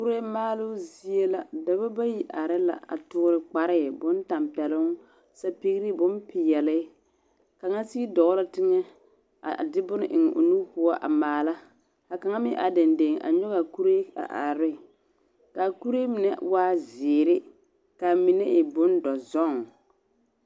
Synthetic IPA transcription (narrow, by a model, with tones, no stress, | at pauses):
ku˦ɾe˦maː˦lʊ˦zi˦e˦la˨da˨ba˦ba˦ji˨ʔa˨ɾɪ˦la̰˨a̰˨tʊ˦ɾɪ˦k͡pa˦ɾɪ˦˨bʊ˦n˦ta˨mpɛ˨lʊ˦ŋ | sa˦pi˦ɣi˦ɾɪ˦bʊ˦npɪ˨jɛ˨lɪ˦ | ka˨ŋa˦si˦dɔ˨ɣla˦tɪ˦ŋɛ˦ | a̰˨dɪ˦bʊ˦nɪ˨ʔɪ˨ŋɛ˨ʔo̰˨nu˦pʊ˦a˦ʔa˨maː˨la˦ | ha˨ka˨ŋa˦mɪ˦ʔa˨da˨nde˨ŋʔa̰˨ɲɔ˦ɣa˨ku˦ɾe˦a̰˨ʔa̰˨ɾɪ˦˨ | ka˨ku˦ɾe˦mɪ˨nɛ̰˨˦waː˦zɪː˨ɾɪ˦ | ka˨mɪ˨nɛ˦ʔɪ˨bʊ˦ndɔ˨zɔ˦˨ŋ